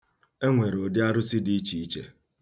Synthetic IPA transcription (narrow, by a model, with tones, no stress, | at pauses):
e˦ŋʷe˨ɾo˨dɪ˦a˦ɾʊ˦sɪ˦di˨˦i˦t͡ʃi˨i˦t͡ʃḛ˨